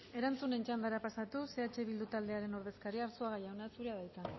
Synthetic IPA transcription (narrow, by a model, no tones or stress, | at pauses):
e̞ɾant͡sune̞nt͡ʃand̪aɾapasat̪use̞at͡ʃe̞βild̪ut̪ald̪e̞aɾe̞no̞ɾð̞e̞skaɾiaɾsoaɣajawnasuɾeaðajt͡sa